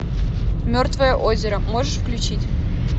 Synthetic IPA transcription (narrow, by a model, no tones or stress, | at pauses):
mʲørt̪vəjəʔozʲeɾəmoʐəʂfklʲut͡ɕitʲ